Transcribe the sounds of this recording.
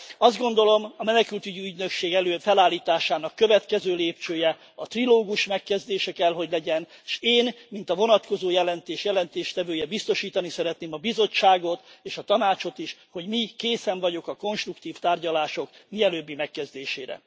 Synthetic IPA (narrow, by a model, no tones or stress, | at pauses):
ɒzd̪ɡo̞nd̪o̞lo̞mɒmɛnɛkylt̪yɟiyɟnø̞kʃeːɡɛløːfɛlaːlːiːt̪aːʃaːnɒkːø̞vɛt̪kɛzøːleːp̚t͡ʃøːjɛ | ɒt̪riloːɡuʃmɛkːɛzd̪eːʃɛkɛlɦo̞ɟlɛɟɛnʃeːnmint̪ɒvo̞nɒt̪ko̞zoːjɛlɛnt̪eːʃjɛlɛnt̪eːʃt̪ɛvøːjɛbist̪o̞ʃiːt̪ɒnisɛɾɛt̪neːmɒbizo̞t͡ʃːaːɡo̞t̪eːʃɒt̪ɒnaːt͡ʃo̞t̪iʃho̞ɟmikeːsɛɱvɒɟo̞kɒko̞nʃt̪rukt̪iːft̪aːrɟɒlaːʃo̞kmiɛløːbːimɛkːɛzd̪eːʃḛːɾɛ̰